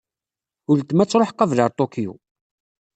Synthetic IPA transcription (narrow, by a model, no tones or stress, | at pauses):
ʊlt̪ːmæt͡sːɾˤoħqːɑvləɾˤt̪ˤokijṵ